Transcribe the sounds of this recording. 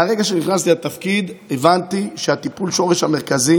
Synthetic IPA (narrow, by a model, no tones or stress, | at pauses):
aʁe̞ɡaʃeniχnast̪ilat̪afkid̪evant̪iʃehat̪ipulʃo̞ʁeʃhame̞ʁkazi